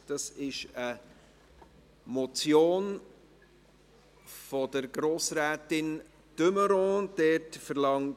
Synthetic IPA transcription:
d̥ɑsɪʃə | mɔt͡sjoːn | fɔdəɾɡɾoːsɾæːtɪn | d̥øməɾɔ̃d̥ɛtfəɾlɑŋt

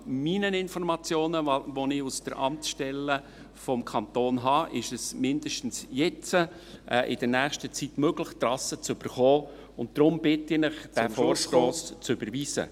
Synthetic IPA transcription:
minənɪnfɔɾmɑt͡sjoːnəʋonɪusd̥əɾʔɑ̰mtʃtɛlːə | fɔmkʰɑnt̪oːnɦɑːʔɪʃɛsmɪnd̥əʃtn̩sjɛt͡sə | ʔʔɪ̰d̥əɾnæːχʃtət͡sitmøɡləχt̪ɾɑsət͡sʏb̥əɾχoː | ʊnt̚d̥ɾʊmb̥ɪtɪnɪχd̥æfoːɾʃtoːst͡sʏb̥əɾviːzə̰

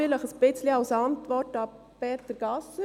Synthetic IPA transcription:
ɪləχəsb̥ɪt͡sliɑwsɑntʋɔrtɑpeːtəɾɡ̥ɑsə

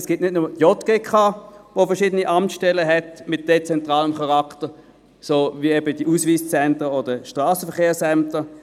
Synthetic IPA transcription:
sɡ̥ɪːtnɪdnʊməjɔtɡ̥eːkʰaːʋofəɐʃiːdəniʔamʃtɛləɦɛtmɪt̚d̥et͡sɛntʁaːləmχɑʁaktə | soːviɛbəd̥iʔusviːst͡sɛntəodəʃtʁaːsəfəɐχeːɐsɛmtə

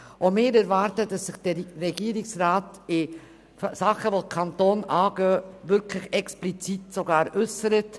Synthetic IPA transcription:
omɪːɾɛɾvɑːɾtəd̥ɑsːɪχd̥ərɛɡiəɾɪksraːtɪ | fsɑχəʋodkʰɑntoːnɑːɡœːvʏɾkʰlɪχɛksplit͡sitsoɡɑːɾʔʏsəɾət

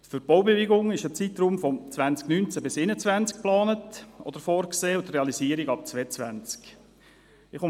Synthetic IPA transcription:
fyɾb̥oʊbevɪɡʊŋɪʃət͡sit̪ruːmfɔt͡svænt͡sknynt͡sæbɪsɪnət͡svænt͡sk̚plɑːnətʔɔ̰d̥̪əɾfɔːɾkseːʊtrɛɑlisiːəɾɪɡɑp̚t͡sveːt͡sʋæ̰nt͡sk | ɪχʊ

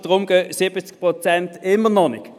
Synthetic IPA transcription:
d̥̪ʁʊmɡøsɪbəsk̚pʁot͡sɛnt̪ɪmənɔnɪk

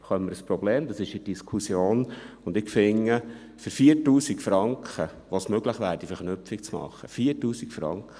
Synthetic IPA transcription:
χœmːəɾəspɾɔbleːmd̥̪ɑsɪʃid̥iskʰusjoːnʊnd̪ɪkfɪŋːə | fʏɾfiːəɾtuːsikfɾɑŋkχə | ʋosmøɡləχʋæːɾd̥ifəɾχnʏpfik̚t͡smɑ̰χːəfiːəɾtuːsikfɾɑ̰ŋkχə

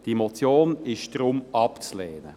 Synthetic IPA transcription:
d̥iemot͡sjoːnɪʃd̥ɾʊmɑpt͡sleːnə̰

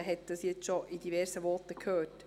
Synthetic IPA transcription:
ɦɛt̚d̥ɑsjɛt͡sʃoʔidivɛɾsəʋɔːtəkʰhøːt

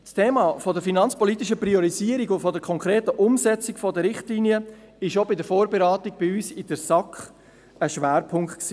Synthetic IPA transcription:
stʰeːmɑːfɔdəɾfinɑnt͡spɔlit̪ɪʃ̬əpriɔɾiziəɾiɡʊntfɔdəkʰɔŋkʁɾeːtəʔʊmsɛt͡sɪkfɔdəɾɪχtliːniə | ɪʃobɪdəɾfoːɾbeɾɑːtiɡ̚b̥ɪyːsɪd̥əɾsɑkχ | əʃʋæːɾpʰʊŋktksiː

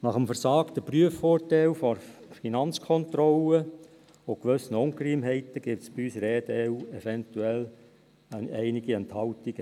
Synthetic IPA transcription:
nɑχəmfərsɑːkt̪əpryəfːɔːrtɛlfɔrfinɑnt͡skʰɔnt̪rɔlə | okʋɵsnəʊŋkrimɦɛɪt̪əɡ̥ɪp̚tsb̥iyːsɾɛːd̪ɛuɛfɛnt̪uɛl | ɛɪnɪɡiɛnthɑltiɡ̥ə

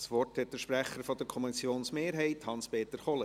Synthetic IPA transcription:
sʋɔrthɛt̚d̥̪əɾʃpɾæχəɾfɔd̥̪əɾkʰɔmɛsjoːnsmeːɾɦɛɪthɑnspeːt̪əɾχɔlə

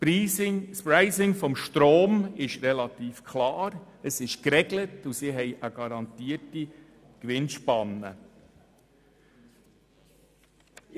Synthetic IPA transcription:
piːɪŋspɾaɪsɪŋfɔmʃtɾoːmɪʃɾɛlɑtiːfkʰlɑːɾəsɪʃkɾɛɡlətusiɦɛɪʔəɡ̥ɑɾɑntiːəti | kʋɪnʃpɑnːə̰

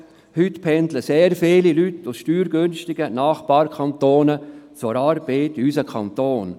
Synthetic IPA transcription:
hytpʰɛnd̪ləseːɾfeːlilytːʊsʃtyːɾɡ̥ønʃtɪɡənaːχb̥ɑːɾkʰɑnt̪oːnət͡sʊɾɑːɾbeɪt̪ysəkʰɑ̰nt̪oːn

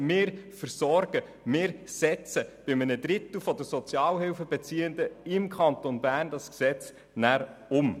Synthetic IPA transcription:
mɪːɾfəɾsɔrɡ̥ə | mɪːɾsɛt͡səb̥ɪmənədɾɪt̪l̩fɔd̪əsɔt͡sjɑːlɦɪlfəbɛt͡siːənd̪əɪmkχɑnt̪onbæːrndɑsksɛt͡s | næːɾʊm

